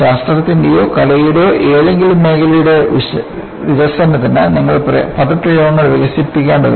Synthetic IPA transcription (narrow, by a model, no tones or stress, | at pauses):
saːsʈrɐðɐt̪ːindejo̞ːkɐlɐjiɽo̞ːʔeːðe̞ŋɡilumːe̞ːkɐlijuɽeʋi | ʋiʋɐsɐnːɐt̪ːɐnːɐniŋːɐɭprɐ̰pɐðɐʈrijoːɳːɐɭʋiɣɐsipːikʲːaːɳɖɐ̰ðɨ̰